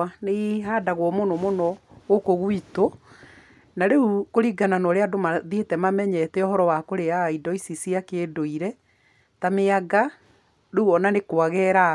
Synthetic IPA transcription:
neɦadaɣwɔmonɔmonɔɣokoɣwito | naɾeukoɾiɡananɔɾeadomaðetɛmamɛɲɛtɛɔɦɔɾɔwakoɾeaidɔisisiakeːdoiɾɛ | tameaɡa | ɾeuɔnanekwaɣɛɾa

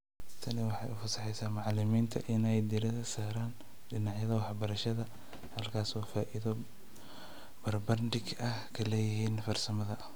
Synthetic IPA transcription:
t̪ʰɐnɪwɑħɑjʊfɐsɑħɛjsaːmɑʕlɪmiːnt̪ʰɐʔɪnɛjd̪ɪɾɪðɐsaːɾaːn | ɖɪnɑʕjɐðɐwɑħbɐɾɐʃɐðɐ | hɐlkʰaːswɑːfaːʔɪðɔ | bɐrbɐrnɖɪɡɐhkʰɐlɛːjɪɦiːnfɐrsɐmɐðɐ

